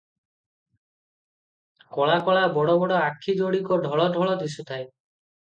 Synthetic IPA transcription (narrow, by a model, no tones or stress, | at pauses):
kɔɭakɔɭabɔɽɔbɔɽɔakʰːid͡ʒoɽikɔɖʱɔɭɔʈɔɭɔd̪is̬ut̪ʰae